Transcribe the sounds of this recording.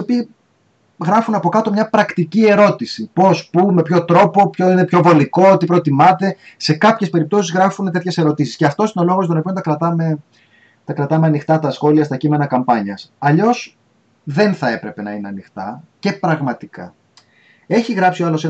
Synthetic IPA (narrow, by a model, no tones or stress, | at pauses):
iopi | ɣɾɐfunɐpo̞kɐt̪o̞mɲɐpɾɐkt̪icie̞ɾo̞t̪isipo̞spume̞pço̞t̪ɾo̞po̞pçoinepço̞vo̞liko̞t̪ipɾo̞t̪imɐt̪e̞se̞kɐpçe̞spe̞ɾip̚t̪o̞sizɣɾɐfunet̪e̞t̪çe̞se̞ɾo̞t̪isisceɐft̪o̞sino̞lo̞ɣost̪onopiont̪ɐkɾɐt̪ɐme̞ | t̪ɐkɾɐt̪ɐmeɐnixt̪ɐt̪ɐsxo̞liɐst̪ɐcime̞nɐkɐmpɐɲɐsɐʎo̞s | ðe̞nθɐe̞pɾe̞pe̞nɐineɐnixt̪ɐ̰ce̞pɾɐɣmɐt̪ikɐ̰ | e̞çiɣɾɐpsioɐlo̞se